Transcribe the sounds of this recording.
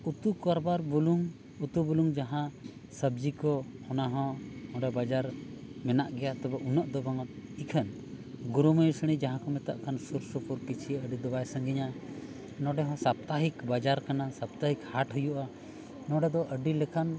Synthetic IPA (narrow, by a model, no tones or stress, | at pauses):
ut̪ukaɾbaɾbuluŋ | ut̪ubuluŋd͡ʒaɦã | səb̚d͡ʒikɔɔnaɦɔ̃ɔ̃ɖɛbad͡ʒaɾmɛnaʔɡɛjat̪ɔbaʔunaʔd̪ɔbaŋat̪ikʰən | ɡuɾuməjsəɽ̃id͡ʒaɦãkɔmɛt̪a̰ʔkʰansuɾsɔpuɾkit͡ʃʰiəɖid̪ɔbajsəŋɡiɲa | nɔɖɛɦɔ̃sap̚t̪aɦikbad͡ʒaɾkanasap̚t̪aɦikhaʈɦəjuʔa | nɔ̃ɖɛd̪ɔʔəɖilɛkan